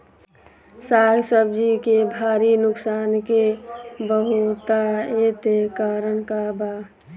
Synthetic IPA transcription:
saːɡsəbd͡ʒikebʱaːɾinʊksaːnkebəɦut̪aet̪ekaɾənkaba

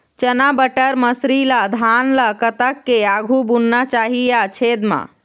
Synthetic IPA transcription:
t͡ʃənabəʈəɾməsɾilad̪ʱanlakət̪əkːeaɡʱubunːat͡ʃaɦijat͡ʃʰed̪mã̰

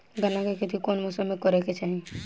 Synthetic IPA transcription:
ɡənãkekʰet̪ikoːnmʊsəmːẽkɔɾeket͡ʃaːɦe

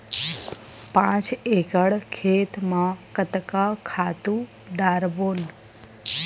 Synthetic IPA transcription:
pãt͡ʃekəɽkʰet̪mãkət̪kakʰat̪ũ | ɖaːɾboːn

